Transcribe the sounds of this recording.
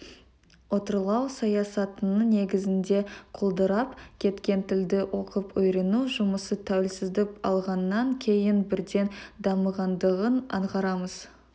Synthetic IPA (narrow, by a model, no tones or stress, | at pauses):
wo̞t̪əɾlˠɑwsɑjɑsɑt̪ənəne̞ɡʲɪzɪnd̪e̞qʰolˠd̪əɾɑpkʲʰe̞t̪kʲe̞nt̪ʰɪld̪ɪwʔo̞qəpɵjɾenuʒʊməsət̪ʰæwɪlsɪzd̪ɪpɑ̰lˠʁɑnːɑŋkʲʰe̞jɪnbɪɾd̪e̞nd̪ɑməʁɑnd̪əʁənɑ̰ɴʁɑɾɑməz̥